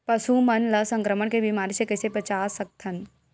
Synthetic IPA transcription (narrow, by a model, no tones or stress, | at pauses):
pɐsumɐnlɐsɐ̃ŋkɾəməɳkebimaːɾisekɐsepɐt͡ʃaːsɐk̚t̪ʰən̆